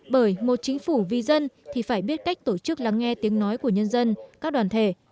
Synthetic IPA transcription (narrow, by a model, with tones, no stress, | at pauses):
ɓəː˧˩jmo˨˩t̚t͡ɕï˨˦ŋ̟fu˧˩vi˨˩zə˧nt̪ʰi˨˩faː˧˩jɓi˦˥ət̚ka˦˥jk̟̚t̪o˧˩t͡ɕɨ˦˥k̚la˧ŋːɛ˧t̪i˨˦əŋnɔ˨˦jku˧˩əɲə˧nzə˧nkaː˦˥k̚ɗwaː˨˩nt̪ʰe˧˩